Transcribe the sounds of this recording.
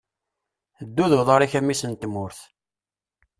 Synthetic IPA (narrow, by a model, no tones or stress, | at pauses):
əd̪ːuðəvðˤɑɾiçæmːisənt̪mʊɾθ